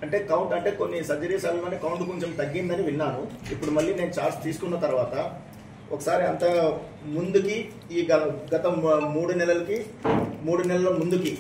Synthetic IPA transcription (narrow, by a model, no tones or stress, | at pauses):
ɐɳʈe̞ːkɐwɳʈɐɳʈe̞ːko̞nːisɐd͡ʒɐɾiːsaːbikɐɳʈeːkɐwuɳʈkoɲt͡ʃemt̪ɐɡːind̪ɐniʋinːaːnuipːuɽumɐɭːiːne̞ːnut͡ʃaːɾst̪iːsu̥kunːɐt̪ɐɾuʋaːt̪ɐ | ɔkɐsaːɾiɐnt̪ɐ | mund̪ukiː | ɐɡɐt̪ɐmuːɽunɛlɐlɐkimuːɽunɛlɐlɐmund̪uki